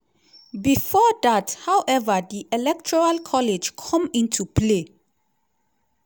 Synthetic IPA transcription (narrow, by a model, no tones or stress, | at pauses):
bifɔdathawʔɛvədiʔɛlɛk̚tʰɔɹalkʰɔled͡ʒkʰɔ̃mĩntʰupʰle